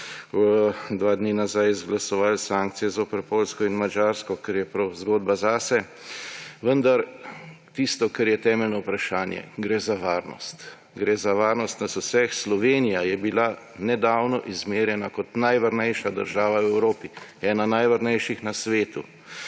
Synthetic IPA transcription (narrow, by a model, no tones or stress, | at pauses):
d̪ʋaːd̪ninazajzɡlasɔʋalsaːŋk̚t̪sijɛzopɛɾpoːlskɔinmad͡ʒaːɾskɔkɛɾjɛpɾɐwzɡoːd̪̚bazaːsɛ | ʋənd̪aɾ | t̪ist̪ɔkɛɾjɛt̪ɛːmɛlnɔwpɾaʃaːnjɛ̰ɡɾɛzaʋaːɾnɔ̰st̪ | ɡɾɛːzaʋaːɾnɔst̪nasosɛxslɔʋeːnijajɛbila | nɛd̪awnɔʔizmeːɾjɛnakɔt̪najʋaɾnɛjʃad̪əɾʒaːʋaɛwɾoːpiɛːnanajʋaɾnɛjʃixnasʋeːt̪ṵ